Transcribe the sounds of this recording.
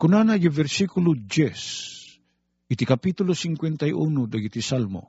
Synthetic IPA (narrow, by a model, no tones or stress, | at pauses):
kunanaɡivɛɾsikulud͡ʒes | it̪ikapit̪ulosiŋkwent̪ajʔunod̪aɡit̪isalmo̰